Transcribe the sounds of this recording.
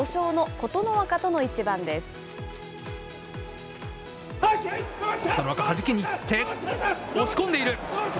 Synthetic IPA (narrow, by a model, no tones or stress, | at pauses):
oɕo̞ːno̞ko̞t̪o̞no̞βakat̪o̞no̞it͡ɕibãnd̪e̞sɨ̥ | anoβakahaʑikʲeɲ̟it̪e | oɕi̥kond̪e̞iɾɯ̟